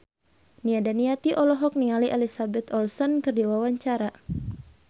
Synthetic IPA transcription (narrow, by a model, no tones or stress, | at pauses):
niadaniat̪iʔɔlɔɦɔk̚niŋaliʔɛlisabɛt̪ɔlsɔnkɨrdiwawaɲt͡ʃaɾa